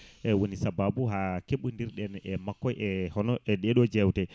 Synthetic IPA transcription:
ʔɛwonisabaːbuɦakeɓundiɾɗɛnɛmakːɔjʔɛhɔnɔʔɛɗɛɗɔd͡ʒɛwtɛ

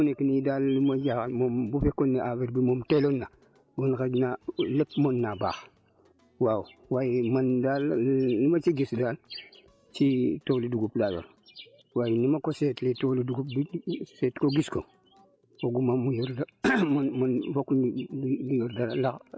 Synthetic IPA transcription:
unekinidalːimajaɣalmombufekːonːeʔaviɾbimomtelonːa | wonkad͡ʒnalepmonːaba̰ːx | wawwajimandalːimat͡ʃiɡisdal | t͡ʃitoliduɡuplajo̰ɾ | wajinimakosetletoliduɡupbisetkoɡisko | woɡumamujoɾdamanmanfokundijoɾdala

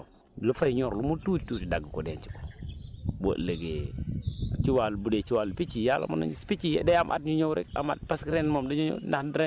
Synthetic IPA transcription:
lufajɲoɾlumututtutidaɡkodent͡ʃi̥ko̥ | bo̰ʔleɡe | t͡ʃiwalbudet͡ʃiwalupit͡ʃijala̰ma̰na̰ɲispit͡ʃijḛdajamʔa̰tɲuɲowɾɛ̰ka̰ma̰t̚paskiɾenmomdaɲoɲo̰nahdɾe

